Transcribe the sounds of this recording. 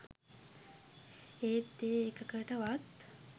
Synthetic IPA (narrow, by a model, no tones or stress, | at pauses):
eːt̪ːeːkəkəʈəʋat̪